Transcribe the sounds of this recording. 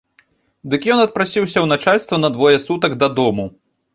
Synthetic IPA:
d̪ɨkjɔnɐt̪̚pɾasʲiwsʲɐwnat͡ʂalʲst̪vɐnɐd̪vɔjɛsut̪ɐɡd̪ɐd̪ɔmu

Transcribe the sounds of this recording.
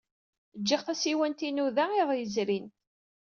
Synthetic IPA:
d͡ʒːiʁθæsiwænt̪inuðæɪðˤjəzɾin

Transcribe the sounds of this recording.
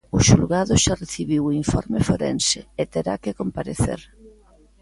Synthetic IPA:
ʊʃulɣaðʊʃareθiβiwiɱfɔ̰ɾmɪfoɾḛnsɪːt̪eɾa̰kɪkompaɾeθḛɾ

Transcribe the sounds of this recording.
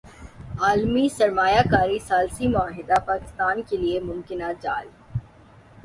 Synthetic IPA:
aːlmisɐɾmaːjakaːɾisaːlsimʊaːɦɪd̪apaːkɪ̥st̪aːnkeliemʊ̃mkɪnad͡ʒaːl

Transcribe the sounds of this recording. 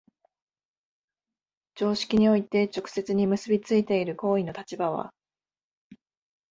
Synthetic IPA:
d͡ʑo̞ːɕi̥kʲiɲ̟io̞it̪e̞t͡ɕo̞kɯ̟̥se̞t͡sɨɲ̟imɯ̟sɨbʲit͡sɨit̪e̞iɾɯ̟ko̞ːinot̪at͡ɕibaβ̞a̰

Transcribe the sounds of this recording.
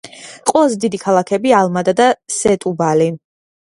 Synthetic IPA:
qʼwɛlˠazɛd̪id̪ikʰalˠakʰɛbialˠmad̪ad̪asɛt̪ʼubali

